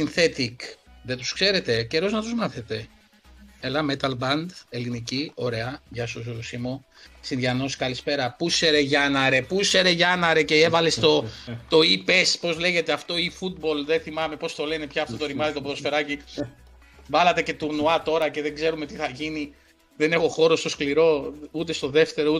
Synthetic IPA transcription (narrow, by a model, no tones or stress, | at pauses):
sinθe̞t̪ikðet̪u̥skse̞ɾe̞t̪e̞ce̞ɾo̞znɐt̪uzmɐθet̪e̞ | elɐmet̪ɐlbɐnd̪e̞linicio̞ɾe̞ɐʝɐsozɾusimo | sinðʝɐno̞skɐlispe̞ɾɐpuse̞ɾeʝɐnɐɾe̞puse̞ɾe̞ʝɐnɐɾe̞ceevɐle̞st̪o̞t̪o̞ipe̞spo̞zle̞ʝe̞t̪e̞ɐft̪o̞ifut̪̚bo̞lðeθimɐme̞po̞st̪o̞le̞nepçɐːft̪o̞t̪oɾimɐzit̪opðo̞sfe̞ɾɐci | vɐlɐt̪e̞ce̞t̪uɾnuɐt̪o̞ɾɐce̞ðeɡze̞ɾume̞t̪iθɐʝini | ðe̞nexo̞xo̞ɾo̞st̪o̞skliɾo̞ut̪e̞st̪o̞ðe̞ft̪e̞ɾou